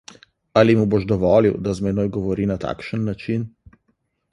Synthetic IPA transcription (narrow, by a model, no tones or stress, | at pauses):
alimuboʃd̪ɔʋɔːliwd̪azmɛnoːjɡɔʋɔɾiːnat̪a̰ːkʃənːat͡ʃin